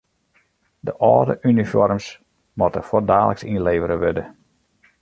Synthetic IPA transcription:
dəʔɔːdə̰ʔynifɔ̰rms | mɔtəfodaːləksinleːvəɾəʋødə

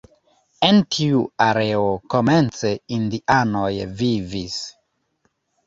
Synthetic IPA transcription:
entʰiuaɾeoko̞me̞nt͡se̞indiʔano̞jvivis

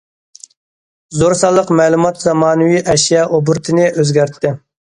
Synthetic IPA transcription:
zoɾsɑlˠːəqmɛːlˠumɑt̪zɑmɑːnɨwiʔɛʃjɛʔobuɾt̪ʰɨnɪʔøzɡʲæɾt̪ːɪ

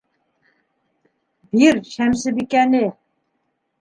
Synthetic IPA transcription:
biɾʃæmsɘbikænɘ

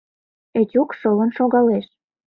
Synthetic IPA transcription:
etʲukʃɤlə̆nʃoɣɑleʃ

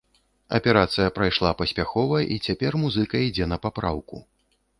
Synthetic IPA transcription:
ɐ̰pʲɛɾat̪sɨjɐpɾajʂlˠapɐsʲpʲaxɔvɐʔit͡sʲapʲɛrmuzɨkɐid͡zʲɛn̪ɐpapɾa̰wku

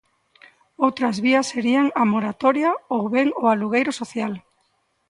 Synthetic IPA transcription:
owt̪ɾazβiase̞ɾianamoɾat̪o̞ɾiaowβeŋoaluɣ̞ejɾoso̞θjal

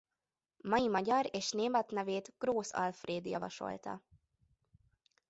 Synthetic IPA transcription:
mɒjimɒɟɒɾeːʃneːmɛt̪nɛveːt̪ɡ̥roːsɒ̰lfreːd̪jɒ̰vɒ̰ʃo̞̰lt̪ɒ̰

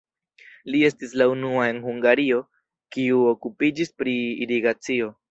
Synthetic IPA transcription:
lie̞stislaunuae̞nhuŋɡaɾio̞ | kiuokupid͡ʒispɾḭːɾiɡat͡sio̞

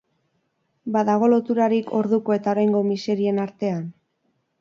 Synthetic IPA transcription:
baðaɣ̞o̞lo̞t̪uɾaɾikʰo̞ɾðuko̞e̞t̪ao̞ɾajŋɡo̞mise̞ɾie̞naɾt̪e̞an

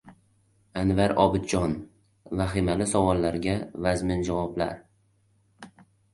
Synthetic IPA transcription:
anvaɾɒ̰bɪd̪̚d͡ʒɒn | vaɦɪmalɪsɒvɒlˠːaɾɡʲavazmɪnd͡ʒavɒbla̰ɾ

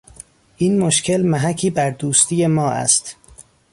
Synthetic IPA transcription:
ʔiːnmoʃcʰe̞lmæɦæcʰiːbæɾd̪uːst̪ʰiːje̞mɒːʔæ̰st̪

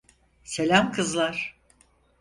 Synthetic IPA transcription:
se̞lʲamkʰɯzlˠaɾ̥

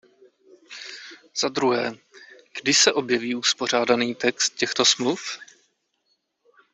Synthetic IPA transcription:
z̥ad̪ɾuɦɛːɡ̥dɪsɛʔo̞bjɛviːuspo̞r̝aːdaniːt̪ɛkst̪̚cɛxt̪o̞smluf

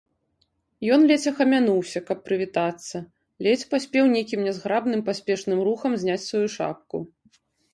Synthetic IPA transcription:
jɔnlʲɛt͡sʲɐxɐmʲanuwsʲɐkɐpːɾɨvʲit̪at̪sːɐ | lʲɛt͡sʲpasʲpʲɛwnʲejkʲimnʲɛzɣɾabnɨmpasʲpʲɛʂnɨmɾuxɐmzʲnʲat͡sʲsvajuʂa̰p̚kṵ

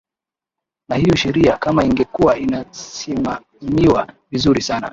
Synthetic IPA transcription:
nahijɔʃɛɾiakamaiŋɡɛkuwainasima | miwavizuɾisana̰

